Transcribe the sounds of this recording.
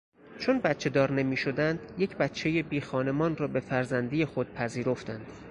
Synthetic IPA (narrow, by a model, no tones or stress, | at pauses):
t͡ʃʰonbæt̪t͡ʃʰe̞d̪ɒːɾne̞miːʃo̞d̪ænd̪je̞cʰbæt̪t͡ʃʰːe̞jebiːxɒːne̞mɒːnrɒːbe̞fæɾzænd̪ijexo̞d̪̥̚pʰæziːɾo̞ft̪ænd̪̥